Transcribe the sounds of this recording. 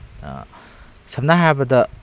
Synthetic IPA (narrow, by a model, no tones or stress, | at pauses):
sɐp̚naɦabɐdɐ